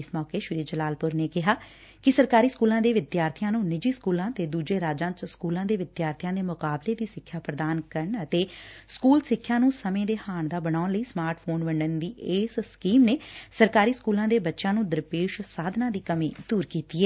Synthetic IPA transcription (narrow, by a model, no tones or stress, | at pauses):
ɪsmɔːkeːʃʊɾiːd͡ʒəlaːlpʊɾneːkɪɦaː | kɪsəɾkaːɾiːskuːlãːd̪eːʋɪd̪jaːɾt̪ʰijãːnũːnɪd͡ʒiːskuːlãːt̪eːd̪uːd͡ʒeːɾaːd͡ʒãːt͡ʃskuːlãːd̪eːʋɪd̪jaːɾt̪ʰɪjãːd̪eːmʊkaːbleːd̪iːsɪkʰːjaːpɾəd̪aːnkəɾəɳət̪eːskuːlsɪkʰːjãːnũːsəmẽːd̪eːhaːɳd̪aːbəɽaːnləiːsmaːɾʈʰpʰoːnʋəɳɖənd̪iːeːsskiːmneːsəɾkaːɾiːskuːlãːd̪eːbətːʃãːnũːd̪əɾpeːʃsaːd̪ʱnãːd̪iːkəmĩːd̪uːɾkiːt̪iːɛː